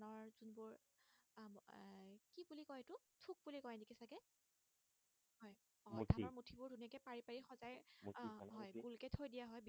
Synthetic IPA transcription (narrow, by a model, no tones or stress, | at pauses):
nɔɹzunbʊɹ | kibulikɔetʊ | tʰuk̚bulikɔjɛnikisaɡɛ | hɦɔj | ɔdʱaɔɹmutʰibʊɹdʱuniakɛpaɹipaɹixɔzaj | ɦɔjbulkɛtʰojdijaɦɔjbi